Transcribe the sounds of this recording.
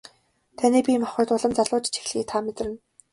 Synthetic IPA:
t̪ʰaniːpʲimaχʊːt̪ʊɮə̆mt͡saɮʊːt͡ɕt͡ɕʰi̥xɮiːt̪ʰamet̪rɘ̆n

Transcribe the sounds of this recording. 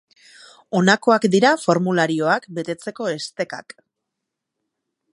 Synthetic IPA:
o̞nako̞akd̪iɾafo̞ɾmulaɾio̞akbe̞t̪e̞t͡se̞ko̞e̞st̪e̞ka̰k

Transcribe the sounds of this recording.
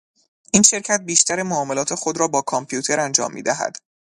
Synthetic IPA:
ʔiːnʃe̞ɾcʰæt̪̚biːʃt̪æɾemoːme̞lɒːt̪ʰe̞xod̪ɾɒːbɒːkʰompʰijuːt̪ʰe̞ɾænd͡ʒɒ̰ːmːḭːd̪æɦæ̰d̪̥

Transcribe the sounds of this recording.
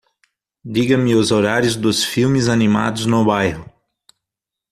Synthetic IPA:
d̪iɡɐ̃mɪʊzoɾaɾjʊzd̪ʊsfiwmɪzanima̰d̪ʊznʊbajhʊ

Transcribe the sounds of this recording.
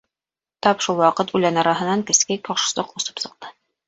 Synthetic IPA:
t̪ɒpʃulˠwɑqɤt̪ʉlænɑɾɑɦɤ̆nɑŋkɘ̆skækɒʃɤ̥̆sɤqŏsɤ̥psɤ̆q̚t̪ɤ

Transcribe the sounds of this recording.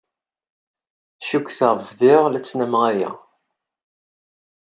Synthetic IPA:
ʃukθəʁvðɪʁlæt͡sːnæmʁæjæ̰

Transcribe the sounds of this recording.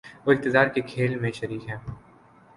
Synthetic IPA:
ʋoːɪq̚t̪ɪzaːɾkekʰeːlmẽʃɐɾiːkɦɛː

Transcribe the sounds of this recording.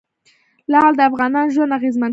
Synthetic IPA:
lɑɑld̪əafɣɑnɑnʒwand̪aɣezman

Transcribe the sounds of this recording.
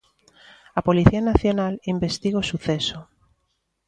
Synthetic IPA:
ɐpoliθianaθjonalimbest̪iɣosuθɛso

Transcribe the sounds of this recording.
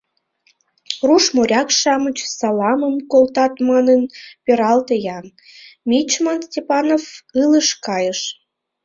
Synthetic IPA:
ruʃmoɾʲɑkʃɑmət͡ɕsɑlɑməmkolt̪ɑt̪mɑnənpʲeɾɑlt̪əjɑn | mʲit͡ɕmɑnstʲepɑnofɨləʃkɑjəʃ

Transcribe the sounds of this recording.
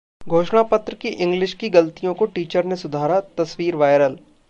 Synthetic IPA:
ɡʱoːʃɽ̃apɐt̪ɾəkiʔɪ̃ŋɡlɪʃkiɡɐlt̪ijõkoʈiːt͡ʃəɾnesʊd̪ʱaːɾat̪ɐsʋiːɾʋaːɪɾəl

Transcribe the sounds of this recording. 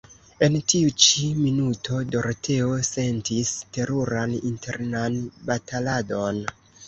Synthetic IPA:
e̞ntiut͡ʃiminutʰo̞do̞ɾtʰeose̞ntiste̞ɾuɾanintʰe̞̰ɾnanbatalado̞n

